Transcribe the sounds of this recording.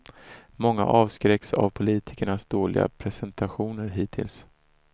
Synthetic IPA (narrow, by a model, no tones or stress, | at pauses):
mɔŋːa̰ʔɑːvskɾɛksa̰vpʰʊliːt̪ʰɪ̥kəɳasd̪oːlɪ̰ɡa̰pʰɾɛsɛnt̪ʰaɧuːnəɾɦiːt̪ʰɪ̰ls